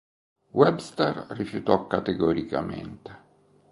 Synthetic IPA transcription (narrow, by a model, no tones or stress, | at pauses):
wɛbst̪arrifjut̪ɔkːat̪eɡɔɾika̰mḛnt̪e̥